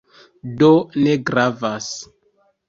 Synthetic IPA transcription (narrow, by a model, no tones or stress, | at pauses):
doleɡɾavas